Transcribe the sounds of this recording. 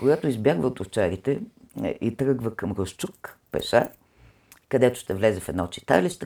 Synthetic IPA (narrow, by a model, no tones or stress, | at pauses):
koɡat̪oizbjaɡvəot̪oft͡ʃaɾit̪ɛ | ʔit̪ɾɤɡvəkəmɾəst͡ʃukpɛ̰sa̰ | kɐd̪ɛt̪o̥ʃt̪ɛvlɛzɛfɛd̪nat̪t͡ʃi̥t̪a̰list̪